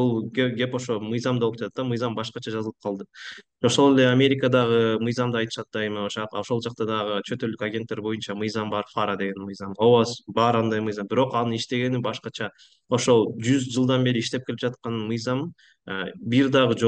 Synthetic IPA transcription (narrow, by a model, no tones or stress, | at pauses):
ulˠɡeɡʲe̞po̞ʃo̞mɯjzɑmd̪olˠup̚d͡ʒɑt̪ɑt̪ːɑmɯjzɑmbɑʃqɑt͡ʃʰɑd͡ʒɑzəlˠɯp̚qʰɑlˠd̪ɯ | o̞ʃo̞lˠe̞leamʲe̞ɾʲɪkəd̪ɑʁɯmɯjzɑmd̪ɯɑjt̪ɯ̥ʃɑt̪̚d̪ɑe̞mioʃo̞ʃolˠd͡ʒɑq̚t̪ɑd̪ɑʁɯt͡ʃʰø̞t̪øld̪ykaɡʲe̞nt̪ːe̞ɾbo̞junt͡ʃɑmɯjzɑmbɑɾfaɾad̪e̞ɡe̞nmɯjzɑmowasbɑɾɑnd̪ɑjmɯjzɑmbiɾo̞qɑnɯiʃt̪e̞ɡe̞nibɑʃqɑt͡ʃʰɑ | o̞ʃo̞lˠd͡ʒyzd͡ʒɯlˠd̪ɑnbe̞ɾiʃt̪e̞p̚keip̚d͡ʒɑt̪̚qɑnɯmɯjzɑm | biɾd̪ɑʁɯd͡ʒo